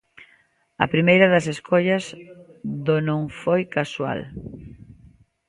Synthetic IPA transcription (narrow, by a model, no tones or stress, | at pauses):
ɐ̰pɾimejɾɐðɐseskʰɔʎɐzðonõŋfojkaswa̰l